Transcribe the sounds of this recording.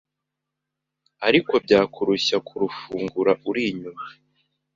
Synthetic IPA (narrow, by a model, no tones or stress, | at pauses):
aɾiko̞b̚ɟaːkuɾuɕakʰuɾufuːŋɡuɾaʔuɾiɲuma